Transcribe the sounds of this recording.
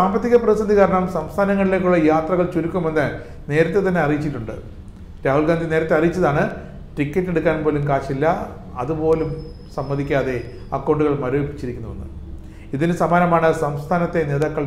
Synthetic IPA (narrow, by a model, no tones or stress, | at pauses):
saːmbɐt̪ːiɣɐprɐisɐnd̪ʱikaːɾɐɳɐmsɐmst̪ʰaːnɐŋːɐɭile̞ːkʲːuɭːɐjaːt̪rɐɣɐɭt͡ɕuɾukʲːumenːɐ | ne̞ːɾɐt̪ːet̪ɐnːe̞ɐrijit͡ɕːiʈːuɳɖɨ̰ | ɾaːhɦulɡaːnd̪ine̞ːɾɐt̪ːe̞ɐrijit͡ɕːɐðaːɳɨ | ʈikʲːɐtːe̞ɽukːaːnmpo̞ːlumkaːʂilːɐ | ɐðupo̞ːlum | sɐmːɐðikʲːaːðe̞ | ɐ̰kːo̞ːɳɖuɣɐɭmɐɾoːipːi̥t͡ɕːiɾikʲːunːuʋɐnːɨ̰ | iðinɨsɐmaːnɐmaːɳɨsɐmst̪ʰaːnɐt̪ːe̞ne̞ːðaːkːɐɭ